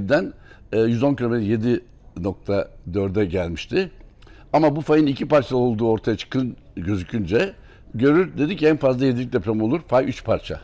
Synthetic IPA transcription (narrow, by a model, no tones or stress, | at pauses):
bd̪ænː | jyzonkʰylʲomɛd̪je̞d̪i | no̞k̚t̪ʰad̪ø̞ɾd̪ɛɟælʲmiʃt̪ʰɪ | amabufajɯnicʰipaɾt͡ʃʰad̪ˠao̞lˠd̪uːo̞ɾt̪ʰajat͡ʃʰɯ̥kʰɯn | ɟø̞zycʰynd͡ʒɛ | ɟø̞ɾyɾd̪e̞d̪icɛnfazlˠajed̪ilʲic̚d̪ʲepɾʲamo̞lˠuɾfajʔyt͡ʃpʰaɾt͡ʃʰa̰